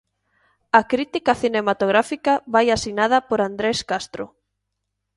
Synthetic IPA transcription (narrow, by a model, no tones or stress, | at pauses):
ɐkɾit̪ikɐθinemat̪oɣɾafikaβajasinað̞ɐpoɾand̪ɾeskast̪ɾo̰